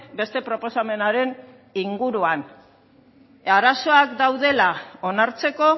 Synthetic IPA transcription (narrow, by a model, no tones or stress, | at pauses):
be̞st̪e̞pɾo̞po̞same̞naɾe̞n | iŋɡuɾuan | aɾaso̞akd̪awðe̞lao̞naɾt͡se̞ko̞